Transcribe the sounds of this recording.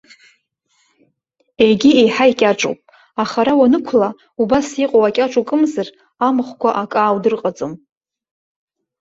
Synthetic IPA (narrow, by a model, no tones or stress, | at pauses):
ejɡʲiejħaikʲʼaʈ͡ʂʼo̰wpʼ | aχaɾawanɨkʷʰla | ubasiqʼowakʲʼaʈ͡ʂʷʼukʼɨmzɨr | amɨχʷkʷʰaʔakʼaːwdɨrqʼad͡zʼom